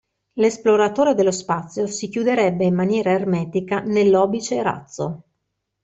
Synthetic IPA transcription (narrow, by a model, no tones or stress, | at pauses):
lesploɾat̪oːɾed̪elːospat̪sːjosikjud̪eɾɛbːeimːanjɛːɾaermɛːt̪ikanelːɔːbit͡ʃeɾa̰t̪sːo